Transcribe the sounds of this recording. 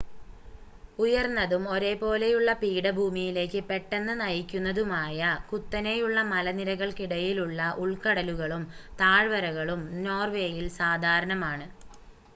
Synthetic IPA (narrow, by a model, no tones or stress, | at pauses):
ujɐrnːɐðumo̞ɾe̞ːpo̞ːle̞juɭːɐpiːɽɐbʱuːmijile̞ːkːɨpe̞ʈːenːɨnɐjikʲːunːɐðumaːjɐkut̪ːɐne̞juɭːɐmɐlɐniɾɐɣɐɭkiɽɐjiluɭːɐʔuɭkɐɽɐluɣɐɭumt̪aːɻʋɐɾɐɣɐɭumno̞ːrʋe̞ːjilsaːd̪ʱaːɾɐɳɐmaːɳɨ